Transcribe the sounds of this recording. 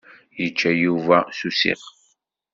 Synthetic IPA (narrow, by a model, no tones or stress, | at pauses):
jət͡ʃːæjuvæsusḭʁ